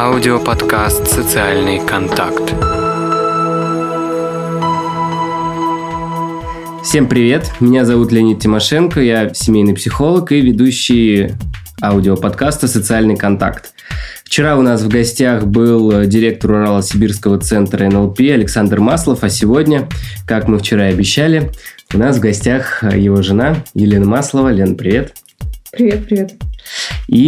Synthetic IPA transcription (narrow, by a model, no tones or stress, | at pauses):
aʊdʲɪopɐt̪kast̪sət̪sɨalʲnɨjkɐnt̪a̰kt̪ | fsʲe̞mpɾʲɪvʲe̞t̪mʲɪnʲazɐvut̪lʲɪɐnʲit̪̚tʲɪmɐʂɛnkəjasʲɪmʲejnɨjpsʲɪxo̞lˠəkivʲɪd̪uɕːɪj | aʊdʲɪopɐt̪kast̪əsət̪sɨalʲnɨjkɐnt̪a̰kt̪ | ft͡ɕɪɾaʊnasvɡɐsʲtʲaxbɨlˠdʲɪɾʲe̞k̚t̪əɾʊɾalˠəsʲɪbʲirskəvət̪sɛnt̪ɾəɛnɛlˠpʲiɐlʲɪksand̪rmaslˠəfɐsʲɪvo̞dʲnʲəkakmɨft͡ɕɪɾaɐbʲɪɕːælʲɪʊnasvɡɐsʲtʲaxjɪvo̞ʐɨnajɪlʲe̞nəmaslˠəvəlʲenəpɾʲɪvʲe̞t̪ | pɾʲɪvʲet̪̚pɾʲɪvʲet̪ | i